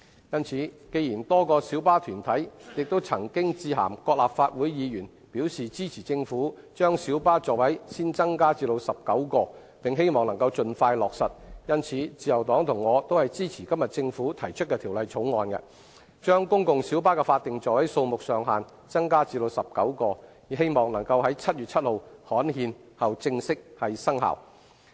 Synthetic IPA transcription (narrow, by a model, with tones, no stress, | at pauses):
jɐ˥nt͡sʰiː˨˧˥ke˧jiː˨˩nt̪ɔː˥kɔː˧siː˨˥wpaː˥t̪ʰyː˨˩nt̪ʰɐ˨˥jjɪ˨k̚t̪o˥wt͡sʰɐ˨˩ŋkɪ˥ŋt͡siː˧ɦa̰ː˨˩mkɔː˧k̚laː˨p̚faː˧t̚wuː˨˥jjiː˨˧jyː˨˩n | pi˨˥wsiː˨t͡siː˥t͡sʰiː˨˩t͡sɪ˧ŋfuː˨˥ | t͡ʃœː˥ŋsiː˨˥wpaː˥t͡ʃɔː˨˩k̚wɐ˨˥jsiː˥nt͡sɐ˥ŋkaː˥t͡siː˧lo˧wsɐ˨p̚kɐ˨˥wkɔː˧ | pɪ˨ŋɦe˥jmɔː˨ŋnɐ˨˩ŋkɐ˧wt͡ʃɵ˧nfaː˧jlɔː˨k̚sɐ˨t̚jɐ˥nt͡sʰiː˨˥t͡siː˧jɐ˨wt̪ɔː˨˥ŋt̪ʰʊ˨˩ŋːɔː˨˧t̪o˥whɐ˨jt͡siː˥t͡sʰiː˨˩kɐ˥mjɐ˨t̚t͡sɪ˧ŋfuː˨˥t̪ʰɐ˨˩jt͡ʃʰɵ˥t̚kɛː˧t̪ʰiː˨˩wlɐ˨jt͡sʰʊ˨˥wŋɔː˧nkɐ̰˧ | t͡ʃœː˥ŋkʊ˥ŋkʊ˧ŋsi˨˥wpaː˥kɛ˧faː˧t̚t̪ɪ˨ŋt͡sɔː˨˩wɐ˨˥jso˧wmʊ˨k̚sœː˨˧ŋɦaː˨˩n | t͡sɐ˥ŋkaː˥t͡siː˧lo˧wsɐ˨p̚kɐ˨˥wkɔː˧ | i˨˥ɦe˥jmɔː˨˩ŋnɐ˨˩ŋkɐ˧wɦɐ˨˥jt͡sʰɐ˥t̚jyː˨t̚t͡sʰɐ˥t̚ho˨whɔː˨˥nhiː˧n | hɐ˨˩wt͡sɪ˧ŋsɪ˥k̚hɐ˨jsɐ˥ŋha̰˨˩w